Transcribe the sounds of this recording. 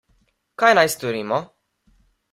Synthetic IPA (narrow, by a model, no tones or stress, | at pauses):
kajnajst̪oɾiːmɔ